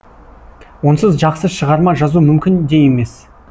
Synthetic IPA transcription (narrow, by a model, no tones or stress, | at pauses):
wo̞nsəzʒɑqsəʃəʁɑɾmɑʒɑzumʏmkʲɪnd̪e̞je̞me̞s